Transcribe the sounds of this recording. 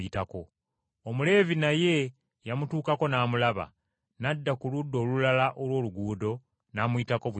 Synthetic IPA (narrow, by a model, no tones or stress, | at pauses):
itako̞ | omule̞ːvinaje̞ | jamutuːkako̞naːmulaβa̰ | nadːakuludːo̞ːlulalaʔolwo̞ːluɡuːdo̞ | naːmuitako̞β